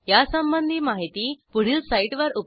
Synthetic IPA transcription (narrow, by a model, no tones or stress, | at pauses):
jasəmbənd̪ʱiːmaɦit̪iːpuɽ̤iːlsaiʈʋəɾup